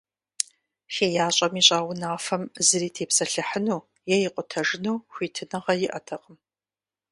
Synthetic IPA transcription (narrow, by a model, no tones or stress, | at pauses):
xeːjaːɕʼɐmiːɕʼaːwʷʊnaːfɐmzɨriːtʰeːpsɐɬɨħənuː | jɛjɪqʷʼʊtʰɐʐɪnuːxʷiːtʰɨnɐʁɐjɪʔɐtʰɐqʼəm